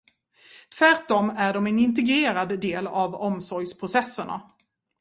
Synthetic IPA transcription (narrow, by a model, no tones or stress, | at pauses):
t̪ʰvæɾʈɔmæɖɔmɛnɪnt̪̬ɛɡɾeːɾad̪ːeːlavɔmsɔɾjspʰɾʊsɛsːəɳa̰